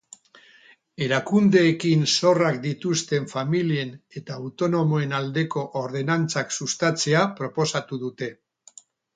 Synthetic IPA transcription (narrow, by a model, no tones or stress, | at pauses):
e̞ɾakund̪e̞ːkinso̞rakd̪it̪ust̪e̞ɱfamilie̞ne̞t̪aːwt̪o̞no̞moe̞nald̪e̞ko̞ʔoɾð̞e̞nant͡saksust̪at͡se̞apɾo̞po̞sat̪uðut̪e̞